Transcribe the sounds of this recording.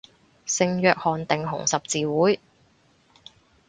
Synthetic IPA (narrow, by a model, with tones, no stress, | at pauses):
sɪ˧ŋjœː˨k̚hɔː˨nt̪ɪ˨ŋɦʊ̰˨˩ŋsɐ˨p̚t͡siː˨wuː˨˥j